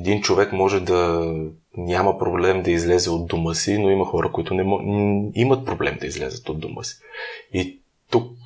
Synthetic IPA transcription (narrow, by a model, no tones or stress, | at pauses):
ɛd̪int͡ʃovɛkmɔʒɛd̪ɐ | nʲaməpɾoblɛmd̪ɐizlɛzɛod̪d̪omɤsinoimɐxɔɾəkoit̪ʊnɛ | imət̪̚pɾoblɛ̰md̪ɐizlɛ̰zət̪od̪d̪omʔɤ̰si̥i | t̪uk̚